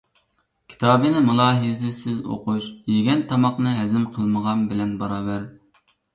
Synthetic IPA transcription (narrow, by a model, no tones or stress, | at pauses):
kʲʰi̥t̪ʰɑːbɨnɨmulˠɑːɦizɪsɪzo̰quʃjeɡʲɛnt̪ʰɑmɑqnɨɦɛzɪmqʰəlˠməʁɑnbɪlɛnbɑɾɑːbæɾ